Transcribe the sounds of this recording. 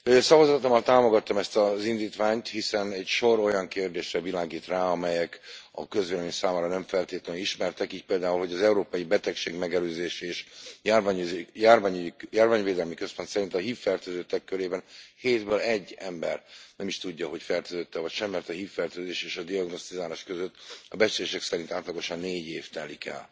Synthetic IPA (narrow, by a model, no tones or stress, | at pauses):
øːsɒvɒzɒt̪omːɒlt̪aːmo̞ɡɒt̪ːɒmɛst̪ɒzind̪iːt̪ʋaːɲt̪hisɛnɛcʃo̞ɾo̞jɒŋkeːrd̪eːʃrɛvilaːɡiːt̪raːɒmɛjɛkɒ̰køzʋeːlɛminsaːmaːɾɒnɛɱfɛlt̪eːt̪lɛnniʃmɛrt̪ɛkiːc̚peːld̪aːulɦo̞ɟɒzɛuɾoːpɒjibɛt̪ɛkʃeːɡmɛɡɛløːzeːʃɛːʃjarjaːrvaɲjaːrvaːɲveːd̪ɛlmikø̞spo̞nt̪sɛɾint̪ɒɦiːfːɛrt̪øːzøt̪ːɛkːøɾeːbɛnheːd̪bøːlɛɟːɛmbɛrnɛmiʃt̪uɟːɒɦo̞cfɛrt̪øːzøt̪ːɛvɒcʃɛmːɛrt̪ɒɦiːfːɛrt̪øːzeːʃeːʃɒd̪iɒɡno̞st̪izaːlaːʃkøzøt̪ːɒbɛt͡ʃeeːʃɛksɛɾint̪aːt̪lɒɡo̞ʃɒnːeːɟeːft̪ɛlikʰɛ̰l